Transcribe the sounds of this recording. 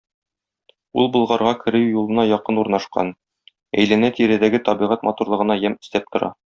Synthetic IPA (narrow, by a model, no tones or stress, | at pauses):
ulˠbŏlˠʁɑɾʁɑkʰɘ̆ɾɘwjulˠɤ̆nɑjɒqɤnuɾnɑʃqɑ̰n | æ̰jlænæt̪iɾæd̪æɡɘt̪ɒbiʁæt̪mɒt̪uɾlˠɤ̆ʁɤ̆nɑjæmɘ̆st̪æp̚t̪ŏɾɑ̰